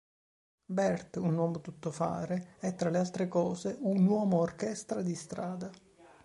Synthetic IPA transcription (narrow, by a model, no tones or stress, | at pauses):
bɛrt̪unwɔːmot̪ut̪ːofa̰ːɾeɛt̪ːɾalealt̪ɾekɔːzeunwɔːmoːrkɛst̪ɾad̪ist̪ɾaːd̪a